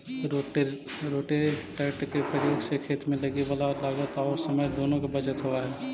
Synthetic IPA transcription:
ɾoːʈeʈɛːʈkepɾəɾjoːɡsekʰeːt̪mẽlɐɡiʋaːlalaːɡət̪ɔːɾsəməjd̪oːnõkabɐd͡ʒət̪ɦoːaɦɛː

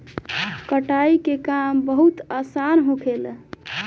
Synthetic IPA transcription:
kəʈaikekambəɦut̪asanɦõkʰel

